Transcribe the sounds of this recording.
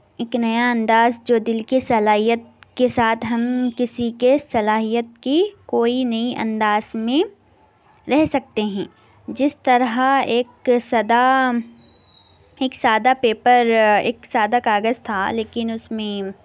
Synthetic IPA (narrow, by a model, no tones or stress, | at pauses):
eːknɐjaɐ̃nd̪aːzd͡ʒoːd̪ɪlkisɐlaːɦijət̪̚kesaːt̪ʰɦɐmkɪsikesɐlaːɦijət̪̚kikoːinɐiʔɐ̰̃nd̪aːzmẽ | ɾɛɦsɐk̚t̪eɦɛ̃ː | d͡ʒɪst̪ɐɾɦaeːksɐd̪a | eːksaːd̪apeːpəɾḛːksaːd̪akaːɡəzt̪ʰaleːkɪnʊsmẽ